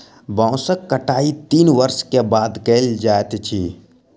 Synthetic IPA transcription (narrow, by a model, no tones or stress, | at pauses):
bãʊsəkːəʈaːit̪iːnʋəɾskebaːd̪keld͡ʒaːet̪t͡ʃʰiː